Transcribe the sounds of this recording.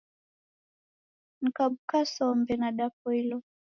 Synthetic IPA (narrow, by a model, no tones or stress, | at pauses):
n̩kaɓukasɔmbɛnaɗap̚ɔilɔ